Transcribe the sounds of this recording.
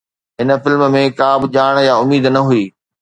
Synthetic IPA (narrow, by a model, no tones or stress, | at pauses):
ɦɪnə̆fɪlmmẽkaːbɪʄaːɽ̃jaʊmiːd̪nɐɦuiː